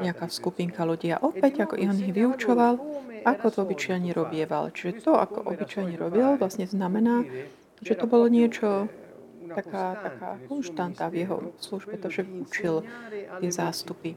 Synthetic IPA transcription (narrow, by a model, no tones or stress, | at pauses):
ɲɛakaːskupiŋkaluɟia̰ʔɔpɛɟakɔʔiɦɔniɦʋiut͡ʃɔʋalʔakɔt̪ɔbit͡ʃajɲiɾɔbɪɛʋa̰lt͡ʃiʒɛt̪ɔa̰kɔ̰ʔɔbit͡ʃajɲɛɾɔbilʋlasɲɛznamɛnaː | ʒɛt̪ɔbɔlɔɲɪɛt͡ʃɔ | t̪akaːt̪aka̰ːkɔnʃt̪ant̪aːvjɛɦɔ̰sluʒbɛt̪ɔʒ̥ɛʋiut͡ʃilt̪ɪɛzaːst̪upi